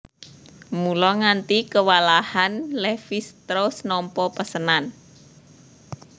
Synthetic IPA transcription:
mulɔŋant̪ikəwalahanlɛfist̪ɾosnɔmpɔpəsənan

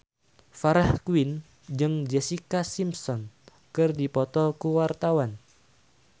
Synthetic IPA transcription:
faɾahkwin | d͡ʒɨŋd͡ʒɛsikasimsɔn | kɨrdipɔt̪ɔkuwart̪awan

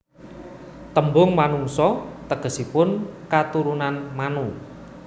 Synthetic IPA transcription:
t̪əmbʊŋmanuŋsɔt̪əɡ̥ə̤sipʊnkat̪uɾunanmanu

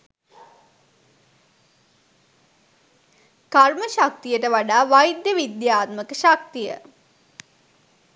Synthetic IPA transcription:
karməʃak̚t̪ijəʈəʋaɖaːʋajd̪jəʋid̪jaːt̪məkəʃak̚t̪ijə̰

